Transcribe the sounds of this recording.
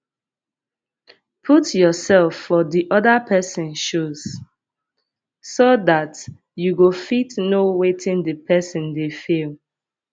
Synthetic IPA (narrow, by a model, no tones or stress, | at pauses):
pʰutjɔsɛlfːɔdiʔɔdəpʰɛsɔ̃nʃuz̥ | sodat | juɡofitnowetʰĩndəpʰɛsɔ̃ndefil